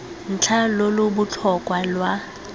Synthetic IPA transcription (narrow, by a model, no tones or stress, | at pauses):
n̩t͡ɬʰalolʊbʊt͡ɬʰɔkʼwalwa